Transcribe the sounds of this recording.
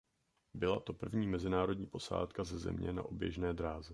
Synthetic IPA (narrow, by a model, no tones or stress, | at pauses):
bɪlat̪o̞pr̩vɲiːmɛzɪnaːɾo̞dɲiːpo̞sa̰ːt̪kazɛzɛ̰mɲɛ̰na̰ʔobjɛ̰ʒnɛːd̪ɾaːzɛ